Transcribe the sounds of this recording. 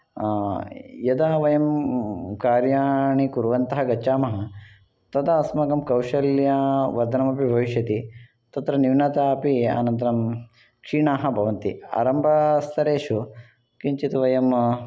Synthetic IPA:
jɐd̪aːʋɐjɐmkaːɾjaːɳikuɾʋɐnt̪ɐɦɐɡɐt͡ʃaːmɐɦɐ | t̪ɐt̪ɐːsmɐɡɐmkɐwʃɐljaʋɐɾd̪ʱɐnɐmɐpibʱɐʋiʃjɐt̪i | t̪ɐt̪ɾɐniʋnɐt̪apia̰nɐnt̪ɐɾɐm | kʂiːɳaːɦɐ̆bʱɐʋɐnt̪ia̰ːɾɐmbʱɐst̪ʰɐɾeːʃu | kiɲt͡ʃit̪ʋɐjɐm

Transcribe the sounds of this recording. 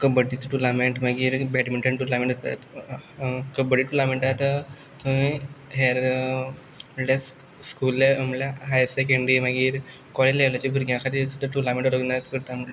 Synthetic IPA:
kəbəʈːit͡səʈulameɳʈmaɡiːɾbɛʈmeɳʈəɳʈulamẽɳʈd͡zat̪a̰t̪ | kəbəɽiːʈulameɳʈaɦjt̪ə | t̪ʰuĩɦeɾ | əlas | skulːaəmljaɦajɾsekəɳɖɾimaɡiːɾ | kɔlileʋlat͡ɕibʱuɾɡjãkʰat̪iːsud̪ʱaʈulamẽɳʈɾəɡnat͡skəɾt̪amə

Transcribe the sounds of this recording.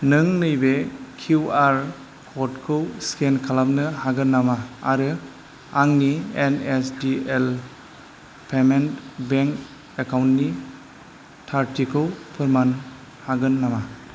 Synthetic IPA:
nɯŋnɯjbekʰuwaɾ | kʰɔtkʰɯwskenkʰalam̚nɯhaɡɯnːamaːɾɯ | aŋnienesdiel | pʰementbeŋk | ekʰawntni | tʰaɾtʰikʰɯwpʰɯɾman | haɡɯnːama

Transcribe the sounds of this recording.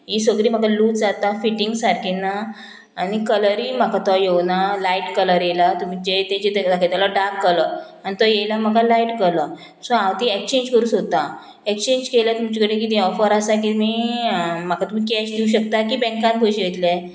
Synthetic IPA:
jiːsəɡɽiːm̤akaluːt͡sd͡zat̪afiʈiŋɡsaɾkʰinːaː | ñikələɾiːm̤akat̪ɔjewnalaiʈkələɾjelat̪um̤it͡ɕet̪ãt͡ɕet̪d̪akʰet̪alɔɖakːələ | añit̪ɔjejlam̤akalaiʈkələ | sɔ̃ãwt̪ĩekt͡ɕẽɲd͡ʑkəɾuːsɦot̪a | ekt͡ɕẽɲd͡ʑkelat̪umt͡ɕikəɽẽk̬iːt̪ɔfəɾasakimi | m̤akat̪umikɛɕdiuɕ̬ək̚t̪akiːbɛ̃ŋkãnɡʱoɕet̪le

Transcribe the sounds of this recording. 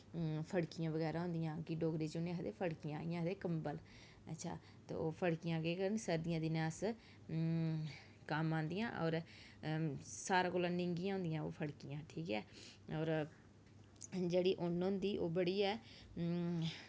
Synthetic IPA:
pʰəɽkɪjãːʋəɡɛːɾaːɦʊ̃ːnd̪ɪjãːkɪɖoːɡɾiːt͡ʃʊnẽɦəd̪eːpʰəɽkijãːaːijãːɦəd̪eːkəmbəl | ə̰tːʃʰa̰ː | t̪ḛːoːpʰəɽkɪjãːɡeːkəɾənsəɾd̪ɪjãːd̪ɪnaːs | kəmãːnd̪ijã̰ːʔɔːɾ | saːɾaːkoːlãːnɪŋɡɪjãːɦʊ̃nd̪ɪjãːo̰ːpʰəɽkɪjãːʈʰiːkɛːɔːɾ | d͡ʒeːɽiːʔʊnɦʊ̃nd̪iːʔoːbəɽiːɛː

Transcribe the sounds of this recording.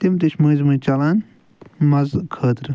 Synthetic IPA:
t̪imt̪ɨʃʰmɨ̃ːzmɨ̃ːt͡ʃɐlaːn | mɐzkʰəːt̪ɾ

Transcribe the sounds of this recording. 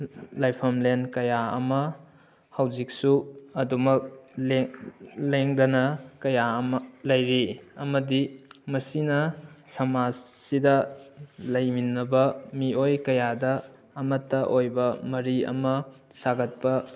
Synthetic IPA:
lajpʰɐmlenkɐjaɐ̰mɐ | hɐwd͡ʒik̚suɐdumɐk̚leleŋdɐnɐkɐjaɐmɐlɐjɾiɐmɐdimɐsinɐsɐmasidɐ | lɐjminɐbɐmiojkɐjadɐː | mɐtːɐʔojbɐmɐɾiɐ̰mɐ | saɡɐt̚pɐ

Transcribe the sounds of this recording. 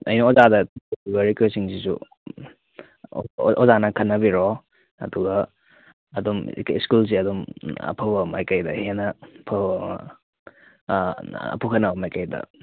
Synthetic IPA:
ɐ̰jnɐozadɐuɡɐɾikwesiŋsisṵ | ozanɐkʰɐnːɐbiɾo | ɐ̰duɡɐː | dumkiskuls̬iɐdumɐ̰pʰɐbɐmajkɐjdɐhenɐpʰɐm̰ | pʰukʰɐnːɐbɐmajkɐjdɐ̰

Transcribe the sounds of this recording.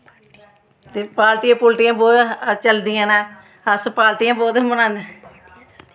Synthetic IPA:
t̪eːpaːlt̪ɪjãːpʊlʈɪjãːbɔːt̪t͡ʃəld̪ɪjãːnaː | əspaːlt̪ɪjãːbɔːt̪mənãːnd̪e

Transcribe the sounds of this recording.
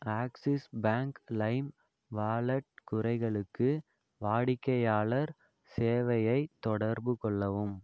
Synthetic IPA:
aːksɪsbaːŋklɐɪm | ʋaːlɐʈ̚kʊɾɐɪɣɐɭɯkːɯ | ʋaːɽɪkːɐjaːɭɐɾ | seːʋɐjɐɪt̪ːɔɽɐɾbɯkɔɭːɐʋɯm

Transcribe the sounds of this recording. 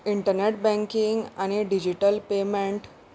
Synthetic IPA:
iɳʈəɾneʈ̚bɛ̃ŋkiŋɡañiɖid͡ʑiʈəlpemeɳʈ

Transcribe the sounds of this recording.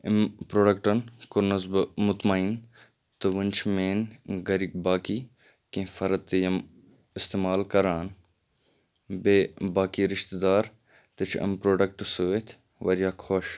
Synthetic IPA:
ɪmpɾoːɖɐk̚ʈɐnkʊɾnɐzbmʊt̪maiːn | t̪ɨʋənʲt͡ʃʰmeːnɡɐɾiɡ̚baːkiː | kẽːfɐɾɐt̪ːjɐm | ɪst̪eːmaːlkɐɾaːn | beːbaːkiːɾɪʃt̪d̪aːɾ | t̪ɐt͡ʃʰɐ̰mpɾoːɖɐk̚ʈsuʋet̪ʰ | ʋɐ̰ɾjaːkʰoʃ

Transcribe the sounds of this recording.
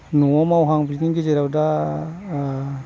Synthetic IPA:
nuɔmawɦaŋbliniŋɡizeɾawda

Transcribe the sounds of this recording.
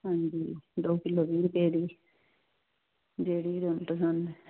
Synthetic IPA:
ɦãːɲd͡ʒiːd̪oːkɪloːbiːɾpeːɾiː | d͡ʒeːɽiːd̪onʈəsan

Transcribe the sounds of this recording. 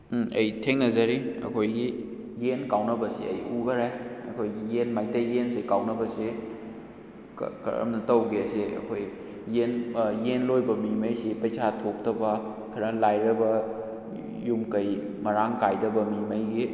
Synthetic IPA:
ɐ̰jtʰeŋnɐzɐɾiɐ̰kʰojɡi | jenkawnɐbɐseɐ̰jubɐɾajɐkʰojɡijenmajtɐjensekawnɐbɐse | kɐ̰ɾɐ̰mnɐtɐwɡeɐseɐ̰kʰoj | jenjenlojbɐmimɐjsipɐjsʰatʰok̚tʰɐbɐ | kʰɐɾɐlajɾɐbɐ | jumkɐj | mɐɾaŋkajdɐbɐmimɐjɡi

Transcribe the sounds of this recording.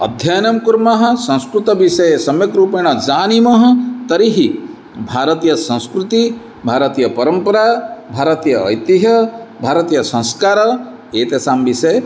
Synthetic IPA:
ɐ̰d̪ʱjajnɐmkuɾmɐɦɐ̆sɐ̃w̃skɾut̪ɐʋisɐjesɐmjɐkɾuːpeːɳ̃ɐd͡ʒaːnimɐɦɐ̆t̪ɐɾiɦi | bʱaːɾɐt̪ijɐsɐ̃w̃skɾut̪i | bʱaːɾɐt̪ijɐpɐɾɐmpɐɾaːbʱaːɾɐt̪ijɐ̰ːjt̪iɦɐbʱaːɾɐt̪ijɐsɐ̃ñskaːɾɐ | eːt̪esaːmbisɐje

